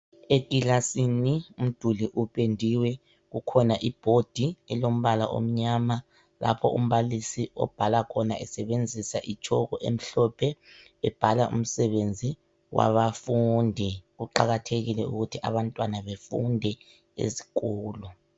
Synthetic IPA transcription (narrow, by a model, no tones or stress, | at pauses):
eɡ̥ʱilasinium̩d̥ʱuliʔupʼendʱiwɛ | ɣukʰɔnaʔib̥ʱod̥ʱiɛlom̩βalaʔo̰m̩ɲama | lʔa̰pʰɔ̰ʔum̩βalisiɔ̰b̥ʱalakʰɔna̰ʔɛsɛβend͡zʱisaʔit͡ʃʼʰɔɣɔʔḛm̩ɬɔpʰɛ | ɛb̥ʱalaʔṵm̩sɛβend͡zʱi | wa̰βafundʱɛɣuǃa̰ɣatʰeɣilɛṵɣutʰiʔa̰βantʼwanaβefundʱɛ | ḛzi̥kɔːlɔ